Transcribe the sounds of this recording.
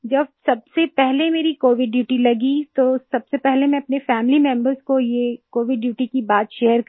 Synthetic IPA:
d͡ʒɐb̚sɐb̚sepɛɦlemeːɾikoːʋɪɖːjuːʈilɐɡit̪osɐbsepɛɦlemɛ̃ɐpnefɛːmɪlimɛ̃mbəɾzkojekoːʋɪɖːjuːʈikibaːt̪ʃeːəɾk

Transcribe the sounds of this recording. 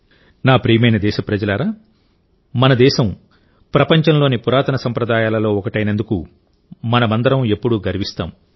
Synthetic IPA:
naːpɾiːmɐjnɐd̪ɛːʃɐpɾɐd͡ʒɐlaːɾaː | mɐnɐd̪ɛːʃɐm | pɾɐpɐɲt͡ʃɐmlo̞ːnipuɾaːt̪ɐnɐsɐmpɾɐd̪aːjaːlɐlo̞ːɔkɐʈɐjnend̪ukṵ | mɐnɐmɐnd̪ɐɾɐme̞pːuɽuɡɐɾʋist̪a̰ːm

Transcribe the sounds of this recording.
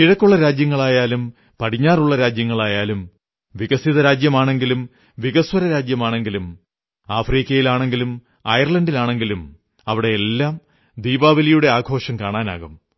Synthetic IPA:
iɻɐkːuɭːɐɾaːd͡ʑjɐŋːɐɭaːjaːlum | pɐʈʰiɲːaːruɭːɐɾaːd͡ʑjɐŋːɐɭaːjaːlum | ʋiɣɐsiðɐɾaːd͡ʑjɐmaːɳe̞ŋɡilum | ʋiɣɐswɐɾɐɾaːd͡ʑjɐmaːɳe̞ŋɡilum | aːfriːkʲːɐjilaːɳe̞ŋɡilum | ɐjɐrɭɐndilaːɳe̞ŋɡilum | ɐʋiɽe̞elːaːm | d̪iːbaːʋɐlɐjuɽe̞aːɡʱo̞ːʂɐmkaːɳaːna̰ːɣum

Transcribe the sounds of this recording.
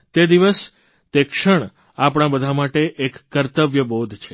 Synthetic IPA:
t̪ed̪iʋəs | t̪ekʃəɳ̃ | apɽ̃ãbəd̪ʱamaʈeʔekːəɾt̪əʋjəbod̪ʱt͡ʃʰe

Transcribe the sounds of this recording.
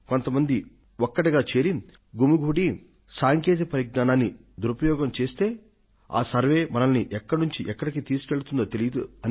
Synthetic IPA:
ko̞nt̪ɐmɐnd̪i | ɔkːɐʈiɡaːt͡ʃe̞ːɾi | ɡumuɡʱuːɽi | saːŋkeːt̪̬ipɐɾiɡ̚naːnaːnːi | d̪uɾupɐjɔːɡɐmt͡ʃe̞ːst̪e̞ː | a̰ːsɐɾʋe̞ːmɐnɐlniʔɛkːɐɽnuɲt͡ʃiʔɛkːɐɽikit̪iːsu̥keɭut̪und̪oːt̪elijɐd̪uɐn

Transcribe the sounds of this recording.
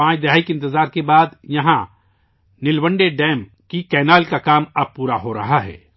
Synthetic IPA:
ãːt͡ʃd̪ɪɦaːikeɪ̃nt̪ɪzaːɾkebaːd̪jɐɦã | nɪlwə̃ɳɖeɖɛ̃ːm | kikɛːnaːlkakaːmɐb̚puːɾaɦoɾɐ̰ɦaɦɛ̰ː

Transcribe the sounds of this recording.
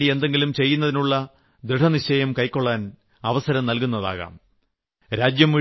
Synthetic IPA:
ɽie̞nd̪e̞ŋɡilumt͡ɕe̞jːunːɐðinuɭːɐ | d̪ɾiʈʰɐniɕɐjɐmkɐjkːo̞ɭːaːn | ɐʋɐsɐɾɐmnɐlkun̪ːɐða̰ːɣa̰ːm | ɾaːd͡ʑjɐmːi

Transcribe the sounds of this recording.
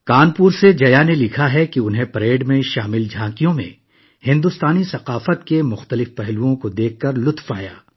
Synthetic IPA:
kaːnpuːɾsed͡ʒɐjanelɪkʰaɦɛkiʊnɦẽpɐɾeːɖmẽʃaːmɪld͡ʒʱãːkijõmḛ̃ | hɪ̃nd̪ʊst̪aːnisɐqaːfət̪kemʊxt̪əlɪfpɛɦluõkod̪eːkʰːɐɾlʊt̪faːja̰ː

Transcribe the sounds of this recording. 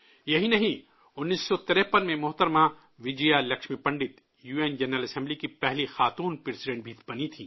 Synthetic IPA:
jɐɦinɐɦĩ | ʊnːiːsːɔt̪ɪɾɛːpənmẽmʊɦt̪əɾmã | ʋɪd͡ʒijalɐkʃmipɐ̃ɳɖɪt̪ | juːeːnd͡ʒɐnɾəlɐsɛ̃mblikipɛɦlixaːt̪uːnpɾesɪɖẽɳʈ̚bʱiːt̪bɐnit̪ʰḭː

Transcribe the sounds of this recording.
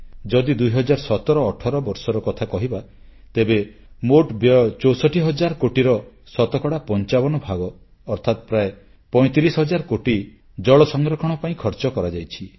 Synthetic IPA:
d͡ʒɔd̪id̪ujɦɔd͡ʒaɾsɔt̪ɔɾɔːʈʰɔɾɔbɔɾsɔɾɔkɔt̪ʰakɔɦiba | t̪ebe | moʈbjɔt͡ʃɔwsɔʈʰiɦɔd͡ʒaɾɔkoʈiɾɔ | sɔt̪ɔkɔɽapɔnt͡ʃabɔnɔbʱaɡɔː | ɾt̪ʰat̪pɾae | pɔj̃t̪iɾisɦɔd͡ʒaɾkoʈi | d͡ʒɔɭɔsɔŋɡɾɔkʰɔɽ̃ɔpaĩkʰɔɾt͡ʃɔkɔɾad͡ʒajt͡ʃʰi

